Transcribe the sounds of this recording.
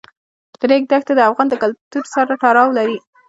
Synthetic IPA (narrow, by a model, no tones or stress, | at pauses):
d̪̥ɾeɡ̚d̪axt̪ad̪əafɣɑnd̪əkalt̪uɾsaɾaʈɑɾɑwlaɾi